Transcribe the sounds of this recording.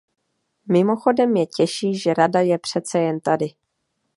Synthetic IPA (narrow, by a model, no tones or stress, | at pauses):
mɪmo̞xo̞dɛmjɛcɛʃiːʒɛɾadajɛpr̝̥ɛt͡sɛjɛnt̪adɪ